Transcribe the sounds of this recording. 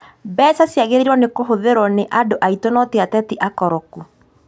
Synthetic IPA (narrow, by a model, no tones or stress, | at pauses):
bɛːsasjaɣeɾeɾwɔnekoɦoðeɾwɔneʔadoʔaitonɔtiatɛtiʔakɔɾɔku